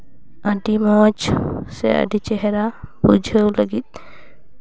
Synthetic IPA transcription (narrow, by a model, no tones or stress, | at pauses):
aɖimɔd͡ʒsɛ̰a̰ɖit͡ʃɛɦɛɾabud͡ʒʱəwləɡit̪̚